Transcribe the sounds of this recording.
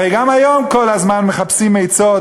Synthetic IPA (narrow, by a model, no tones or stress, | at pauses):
ejɡamajomkɔlazmanməχapsimejt͡so